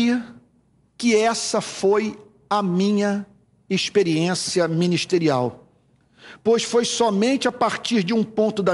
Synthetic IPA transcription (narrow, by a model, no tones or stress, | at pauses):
ɐ | kɪɛsɐfoj | ɐmĩɲɐ | espeɾiẽsiɐmĩniʃt̪eɾiaw | pojsfojsɔmẽnt͡ʃɪapaɾt͡ʃiɾd͡ʒɪũpõnt̪ʊd̪ɐ